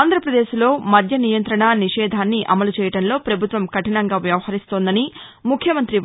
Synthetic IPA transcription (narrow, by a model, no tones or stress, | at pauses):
nd̪ʱɾɐpɾɐd̪e̞ːʃlo̞ːmɐd̪ʱjɐnijɐnt̪ɾɐɳaniʂɛːd̪ʱaːnːiʔɐmɐlut͡ʃɛːjɐʈɐnlo̞ːpɾɐbʱut̪ʋɐmkɐʈinɐŋɡaːʋjɐʋɐhɐɾist̪oːnd̪ɐni | mukʰjɐmɐnt̪ɾi